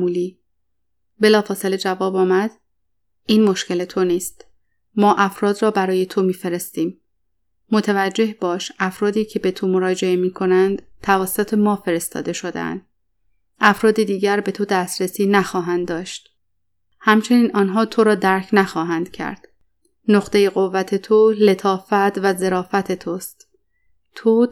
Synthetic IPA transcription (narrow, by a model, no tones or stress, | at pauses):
uːliː | be̞lɒːfɒːse̞le̞d͡ʒævɒːbɒːmæd̪̥ | iːnmo̞ʃce̞le̞t̪ʰo̞niːst̪ | mɒːʔæfɾɒːd̪rɒːbæɾɒːje̞t̪ʰo̞miːfe̞ɾe̞st̪iːm | mo̞t̪ʰævæd͡ʒːe̞hbɒːʃæfɾɒːd̪iːcʰe̞be̞t̪ʰomo̞ɾɒːd͡ʒe̞emiːkʰo̞nænd̪̥t̪ʰævæsːot̪ʰe̞mɒːfe̞ɾe̞st̪ɒ̰ːd̪e̞ʃo̞d̪ḛæ̰nd̪̥ | ʔæfɾɒːd̪ed̪iːɟæɾbe̞t̪ʰod̪æst̪ɾesiːnæxɒːɦænd̪ːɒːʃt̪ | hæmt͡ʃʰe̞niːnʔɒːnɦɒːt̪ʰo̞ɾɒːd̪æɾcʰnæxɒːɦænd̪̥cʰæ̰ɾd̪̥ | noχt̪e̞jeɣovːæt̪ʰe̞t̪ʰole̞t̪ʰɒːfæt̪væze̞ɾɒːfæt̪ʰe̞t̪ʰost̪ | t̪ʰo